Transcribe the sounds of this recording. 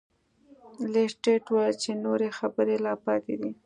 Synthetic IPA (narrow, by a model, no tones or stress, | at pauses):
lesʈeʈwajt͡ʃenoɾexabəɾelapɑt̪ed̪i